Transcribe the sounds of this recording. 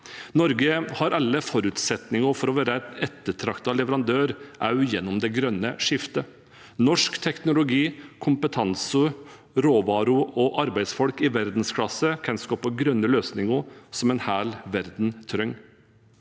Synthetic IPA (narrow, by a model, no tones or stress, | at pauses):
nɔɾɡəhɑɾɑlːəfɔɾʉt̪sɛt̪nɪŋəfɔɾɔʋæːɾəɛt̪ɛt̪ːəʈʰɾɑkt̪ɑlɛʋəɾɑnd̪øːɾʔɑʉjɛnːʊmd̪ɛɡɾœnːəʂɪft̪ə | nɔʂkt̪ʰɛknʊlʊɡiːkʰʊmpət̪ʰɑnsə | ɾoːʋɑːɾʊʔɔʔɑɾbæɪd̪sfɔlkɪʋæɾd̪n̩skʰlɑsəkʰɛnskɔːpɔɡɾœnːəløːsnɪŋəsɔmɛnhæːlʋæɾd̪n̩t̪ʰɾœŋ